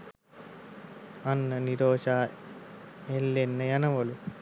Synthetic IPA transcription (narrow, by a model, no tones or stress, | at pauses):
ɐnːɐniɾoːʂaː | elːenːɐjɐnɐʋɐlu